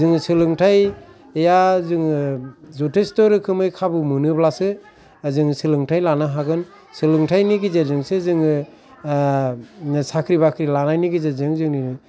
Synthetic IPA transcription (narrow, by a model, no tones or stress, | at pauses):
zɯŋɯsɯlɯŋtʰaj | ejazɯŋɯzɔtʰestɔɾɯkʰɯmɯjkʰabɯmɯnɯblasɯ | zɯŋsɯlɯŋtʰajlanaɦaɡɯn | sɯlɯŋtʰajniɡizezɯŋsɯzɯŋɯ | sakʰɾibakʰɾilanajniɡizezɯŋzɯŋni